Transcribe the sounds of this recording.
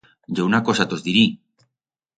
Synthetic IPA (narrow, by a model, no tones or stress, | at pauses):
ɟ͡ʝounakosat̪ozðiɾi